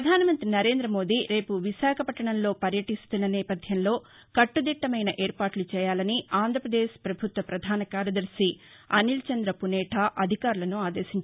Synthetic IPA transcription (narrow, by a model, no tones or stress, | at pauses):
ɐd̪ʱaːnɐmɐnt̪ɾinɐɾe̞ːnd̪ɾɐmo̞ːd̪iːɾe̞ːpuʋiʃaːkʰɐpɐʈːɐɳɐmlo̞ːpɐɾjɐʈist̪unːɐnɛːpɐd̪ʱjɐmlo̞ː | kɐʈːud̪iʈːɐmɐjnɐʔeːɾpaːʈlut͡ʃɛːjaːlɐniaːnd̪ʱɾɐpɾɐd̪eːʃpɾɐbʱut̪ʋɐpɾɐd̪ʱaːnɐkaːɾjɐd̪ɐɾsi | ɐnilt͡ʃɐnd̪ɾɐpunɛːʈʰaːʔɐd̪ʱikaːɾulɐnuaːd̪eːʃiɲt͡ʃ